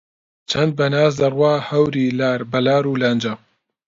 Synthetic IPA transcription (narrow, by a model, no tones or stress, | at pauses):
t͡ʃʰɐnd̪̚bɐnaːz̬d̪ɐrwaːhɐwɾiːlaːɾbɐlaːɾuːlaːnd͡ʒɐ